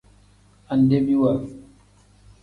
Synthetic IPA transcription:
a˨nde˦mi˦wa˨ɾi˨

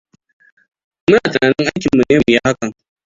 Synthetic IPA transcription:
mʊ˦naː˨tɐ˨naː˨nɪ˦ŋʔa˦jkʲɪ˨mːu˨neː˦˨mu˨ja˦ha˦kɐ˨ŋ

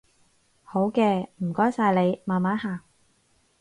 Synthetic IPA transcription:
ho˨˥wkɛː˧m̩˨˩kɔː˥jsaː˧jle˨˧jmaː˨˩nmaː˨˥haː˨˧

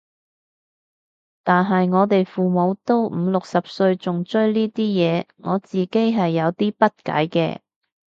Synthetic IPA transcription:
t̪aː˨nɦɐ˨jŋɔː˨˧t̪e˨jfuː˨mo˨˧wt̪o˥wm̩ː˨˧˥lʊ˨k̚sɐ˨p̚sɵ˧ɥt͡sʊ˨ŋt͡ʃɵ˥ɥliː˥t̪iː˥jɛː˨˧ŋɔː˨˧t͡siː˨ke˥jɦɐ˨jːɐ˨˧wt̪iː˥pɐ˥t̚ka̰ː˨˥jkɛ̰ː˧

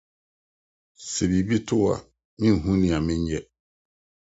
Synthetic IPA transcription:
sɛ˨bi˨bi˦tʰʊ˦wa̰˨ | mɪ̃˦n˨ɦũ˦nɪ̃˨a˨mɪ̃˦ɲ˦jɛ˦

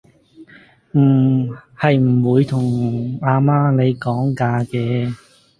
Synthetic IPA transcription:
m̩ː˨˩hɐ˨jm̩˨˩wuː˨˧jt̪ʰʊ˨˩ŋaː˧maː˥ne˨˧jkɔː˨˥ŋkaː˧kɛː˧

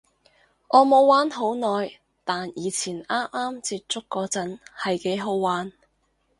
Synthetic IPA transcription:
ʔɔː˨˧mo˨˧wwaː˨˥nɦo˨˥wnɔː˨j | t̪aː˨njiː˨˧t͡sʰiː˨˩naː˥mʔaː˥mt͡siː˧t̚t͡sʊ˥kːɔː˧t͡sɐ˨˥nhɐ˨jke˨˥jɦo˨˥wwaː˨˥n

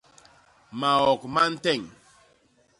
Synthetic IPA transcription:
ma˨ɔ˨kma˦n̩˦tɛ˦˨ŋ

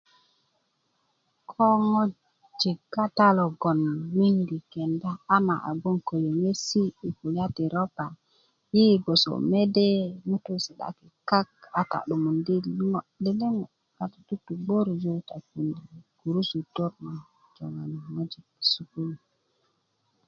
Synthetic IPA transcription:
kʰo˦ŋo˦ | d͡ʒi˨kːa˦ta˦lo˨ɡo˨nmi˦ŋɡi˨ke˨ndaː˦ma˨ʔa̰˨ɡo˦ŋko˨jo˨ŋe˦siː˦˨ku˨la˦ti˨ɾo˦pa˨ | ji˦ɡo˨so̰˨me˦de˦mu˦tu˦si˨ɗa̰˦ki˨ka˦ka˨ta̰˨ɗu˨mu˨ndi˦ŋo˦de˦le˦ŋo˨ | ka˨tḁ˨tu˦tu˨ɡ͡bo˦ɾzu˦ta˨ku˨ndi˨ɡ̥u˨ɾu˦su˨to˦ɾna˨ | d͡ʒo˨ŋa˨n˨ŋo˦d͡ʒi˨k̚su˨ku˦ni˨

